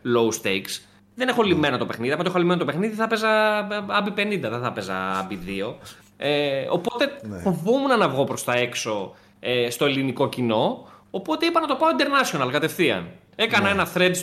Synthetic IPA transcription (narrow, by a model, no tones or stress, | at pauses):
lowst̪ejks | ðenexolime̞nɐt̪opexniðiɐmɐt̪oexolimenot̪ope̞xniðiθɐpe̞zɐɐbipe̞nind̪ɐðeθɐpe̞zɐ̰ɐ̰biðio̞ | eo̰po̞t̪e̞fo̞vomunɐnɐvɣo̞pɾo̞st̪ɐe̞kso̞ | est̪o̞eliniko̞cino̞ːpo̞t̪e̞ipɐnɐt̪o̞pɐoind̪e̞ɾnɐsionɐlɣɐt̪e̞fθiɐ̰n | e̞kɐnɐe̞nɐθɾe̞d̪